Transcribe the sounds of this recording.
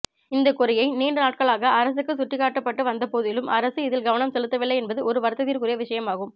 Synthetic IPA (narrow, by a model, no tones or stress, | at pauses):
ɪnd̪ɐkʊɾɐjɐɪniːɳɖɯnaːʈ̚kɐɭaːɣɐʔːɾɐs̬ɯkːɯsʊʈrɪkaːʈːɐpːɐʈːɯʋɐnd̪ɐpoːðɪlɯmʔɐɾɐsɯɪðɪlɡɐʋɐnɐmsɛlɯt̪ːɐʋɪlːɐɪɛnbɐðɯɔɾɯʋɐɾt̪ːɐðiːɾkɯɾɪjɐʋɪʂɐjɐmaːɣɯm